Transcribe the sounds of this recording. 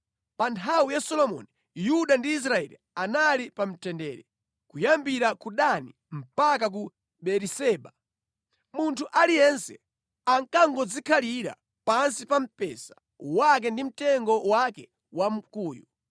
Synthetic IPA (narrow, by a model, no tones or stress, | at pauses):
pantʰawijasɔlɔmɔ̰ni | juɗandiːs̬ɾaɛ̰lḭ | analipam̩tɛndɛ̰ːɾɛ | kujambiɾakuɗani | m̩pak̬ak̬u | ɓɛɾisɛːɓa | muntʰuʔalijɛnsɛ̰ | aŋkaŋɡɔd͡zikʰaliɾa̰ | pansipam̩pɛ̰sḁ | wak̬ɛndim̩tɛŋɡɔwakɛ | wam̩kuːju